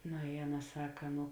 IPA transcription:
noː ɪ ˈɑːˌnɐ ˈsɑːkɐ ˈnʊ

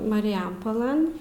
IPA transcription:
mɐrʲɪjɛmpoːˈlˠɘn

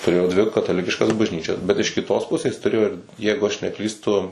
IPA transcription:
tʊˈrʲeːjoː dʲʋʲɪ kɐtɐˈlʲɪkʲɪʃkɐs bɐʒʲˈnʲiːt͡ʃʲɛs bʲɛt ɪʃ kʲɪˈtoːs ˈpʊsʲeːs tʊˈrʲeːjoː ɪr ˈjɛɪɡʊ ɐʃ nʲɛˈklʲiːstʊ

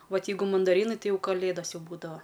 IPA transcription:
ˈʋɐt ˈjɛɪɡʊ mɐndɐˈrʲiːnɐɪ ˈtɐɪ ˈjɛʊ kɐˈlʲeːdɐs ˈjɛʊ buːdɐʋɐ

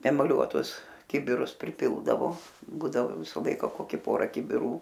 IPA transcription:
ɛmɐˈlʲuɔtʊs ˈkʲɪbʲɪrʊs pʲrʲɪˈpʲɪlˠdɐʋoː ˈbuːdɐʋoː ˈʋʲɪsɐ ˈlˠɐɪkɐ ˈkoːkʲɪ ˈpoːrɐ kʲɪbʲɪˈruː

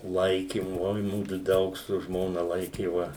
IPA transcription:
ˈlˠɐɪkʲɪm ˈoːɪ ˈmʊdʊ ˈdɐʊk sʊ ˈʒmoːnɐ ˈlˠɐɪkʲeːʋɐ

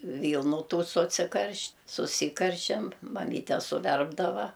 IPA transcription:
ˈʋʲiːlˠnʊ ˈtuː sʊt͡sʲɪˈkɐrʲʃʲtʲ sʊˈsʲiːkɐrʲʃʲɛm mɐˈmʲiːtʲɛ sʊˈʋʲɛrbdɐʋɐ

